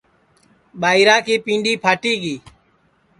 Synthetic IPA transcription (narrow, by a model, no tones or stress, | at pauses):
ɓaːiːɾãːkʰiːpĩːɳɖiːpʰaːʈiːɡiː